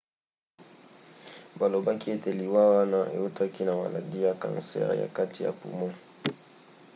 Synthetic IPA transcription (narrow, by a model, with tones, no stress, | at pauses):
ba˨lo˨ba˦ki˦e˦te˨li˨wa˦wa˦na˦ʔḛ˨u˦tʰa˦ki˦na˨ma̰˨la̰˨di˦ja˦kã̰˨nsɛ̰˦ʁ̰ja̰˨ka˦tʰi˨ja̰˨pṵ˨mo˦